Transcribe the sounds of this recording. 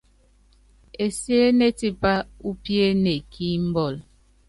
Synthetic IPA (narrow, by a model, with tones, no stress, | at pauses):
e˨sje˦ne˦ti˦pa˦u˦pje˦ne˨kʰi˦m̩˦bɔ˦˨l